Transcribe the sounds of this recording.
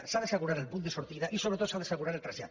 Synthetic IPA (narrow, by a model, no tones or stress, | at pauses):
saðesaɣuɾaɾelpund̪esoɾt̪iðaʔisoɾet̪ot̪saðeseɣuɾaɾelt̪ɾaʒa̰